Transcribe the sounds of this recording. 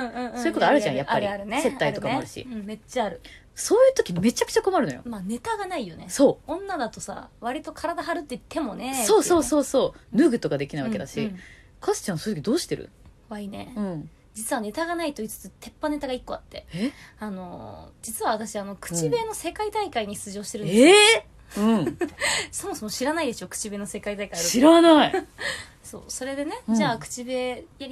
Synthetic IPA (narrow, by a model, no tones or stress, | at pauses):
ɯ̃ːɯ̟̃ːssoːɨkot̪oaɾɯ̟ʑãjaaːaɾiaɾɯ̟neeaiɾɯokamoaɾɯ̟ɕḭɯ̟̃ɴme̞t͡ɕːaːɾɯ̟ | so̞ːjɯ̟ːt̪o̞kʲime̞t͡ɕakɯ̟̥t͡ɕako̞maɾɯ̟nojo̰mane̞t̪aɡanaijo̞ne̞so̞ːõ̞nːad̪at̪o̞sa̰βaɾʲit̪o̞kʰaɾad̪aɦaɾɯ̟t̪ːeit̪ʰːe̞mo̞ne̞soːso̞ːso̞ːso̞ːnɯ̟ɡɯ̟t̪o̞kad̪e̞kʲinaiβked̪aɕi | kʰasɨ̥t͡ɕãsojt̪ok̬ʲid̪o̞ːɕi̥t̪e̞ɾɯ̰ | kβainẽ̞̰ | d͡ʑit͡sɨβane̞t̪aɡanait̪o̞it͡sɨ̥t͡sɨt̪ʰe̞pːane̞t̪aɡaikːo̞at̪ːe̞eano̞̰d͡ʑit͡sɨβaβat̪aɕiano̞kɯ̟̥t͡ɕibe̞ːno̞se̞kait̪aikaiɲ̟ist͡sɨʑo̞ːɕi̥t̪e̞ɾɯ̃e | ɯ̟̃ | so̞mo̞so̞moɕiɾanaid̪e̞ɕo̞kɯ̟̥t͡ɕibe̞ːno̞se̞kait̪aikaiɯɕiɾanai | so̞̰ːso̞ɾe̞d̪e̞ne̞d͡ʑaːkɯ̟̥t͡ɕibe̞ːja